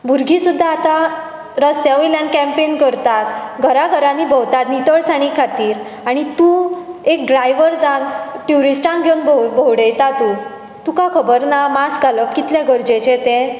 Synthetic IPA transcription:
bʱuɾɡʱisud̪ʱːaːt̪a | ɾəst̪jaʋiljãnkɛ̃mpenkəɾt̪at̪ɡʱəɾaɡʱəɾãnibʱəwt̪at̪nit̪əɭsaɽ̃ikʰːat̪iːɾ | aɽ̃it̪ũek̚ɖɾajʋəɾd͡zãnʈjuɾisʈãŋkɡʱjownbobʱowɽejt̪at̪u | t̪ukakʰəbəɾnamaskaləkkit̪ljaɡʱəɾd͡ʑet͡ɕet̪ẽ

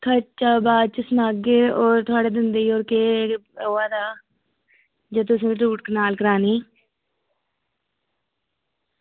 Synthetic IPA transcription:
kʰət͡ʃaːbaːd̪̚t͡ʃəsənaːɡeoːɾt̪ʰʊaːɽeːd̪ɪnd̪eioːɾkeːoːaːd̪aː | d͡ʒeːt̪ʊs̬ĩːʈuːʈ̚kənaːlkəɾaːniː

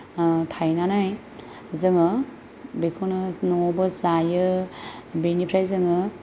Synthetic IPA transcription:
tʰajnanaj | zɯŋɯ | bekʰɯwnɯnɔbɯzajɯ | benipʰɾajzɯŋɯ

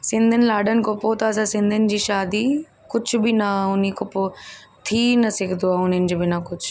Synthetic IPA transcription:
sɪ̃nd̪ʱənɪ̆laːɖənɪ̆kopot̪ɐːsãsɪ̃nd̪ʱənɪ̆d͡ʑiːʃaːd̪i | kʊd͡ʑʱʊ̆bɪnɐʊnikʊpot̪ʰiːnɐsɪkʰd̪ʱoaːʊn̤ənɪ̆d͡ʑoːbɪnɐkʊd͡ʑʰʱʊ̥

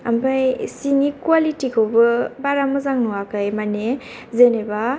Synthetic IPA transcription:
a̰mbʰajsinikwalitikʰɯwbɯbaɾamɯzaŋnuwakʰajmane | zeneba

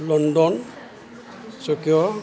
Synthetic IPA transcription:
lɔndɔn | sokiɔ

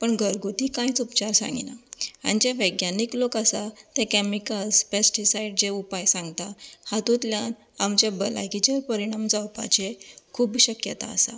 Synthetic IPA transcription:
pəɳɡʱəɾɡot̪ikãit͡supt͡ɕaɾsã̰ŋɡḭna̰a̰nid͡ʑaʋəɡjaniklokasat̪ɛ̃kɛmikəlspesʈisaiɖd͡zeupajsãŋɡt̪ahat̪ũt̪ljan | amt͡ɕabəla̰jkit͡ɕaɾpəɾiɽ̃amd͡zawpa̰t͡ɕekʰuːbɕəkjə̰t̪a̰ə̰sa̰

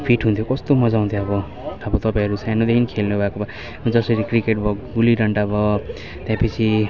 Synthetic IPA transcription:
pʰiʈɦunt̪ʰjokʌst̪omʌd͡zaw̃nt̪ʰjoʌbʌ | ʌbʌt̪ʌpãj̃ɦʌɾusajnod̪ekʰinikʰelnubʱakoba | d͡zʌsʌɾikrikeʈbʱʌɡuliɾʌɳɖʌbʌ | t̪jãpʌt͡sʰi

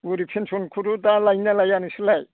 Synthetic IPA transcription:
uɾipʰensunkʰuɾudalajnalajanisɯlaj

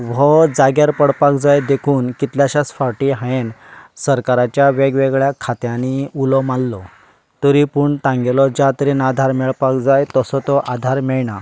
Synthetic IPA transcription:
ʋɔd͡zaɡjaɾpəɽpakd͡zajd̪ekʰuːnkit̪ljaɕasfaʈiɦaensəɾkaɾat͡ɕjaʋeɡʋeɡɭjakʰːat̪jãniulɔmalːɔ | t̪ɔɾipuɳt̪ãŋɡelɔd͡ʑat̪ɾinad̪ʱaɾmɛɭpakd͡zajt̪ɔsɔt̪ɔʔad̪ʱaɾmɛɭɳa

